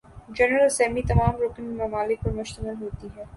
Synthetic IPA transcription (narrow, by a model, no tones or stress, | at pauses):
d͡ʒɛnɾəlsɛːmit̪ɐmaːmɾoːkɪ̃ŋɡmɐmaːlɪk̚pəɾmʊʃt̪əmɪlɦoːt̪iɦɛː